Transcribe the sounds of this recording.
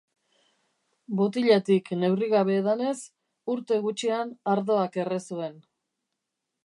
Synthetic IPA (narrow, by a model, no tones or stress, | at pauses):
bot̪iʎat̪ikne̞wriɣaβ̞e̞ðane̞s | uɾt̪e̞ɣut͡ʃianaɾðo̞ake̞resue̞n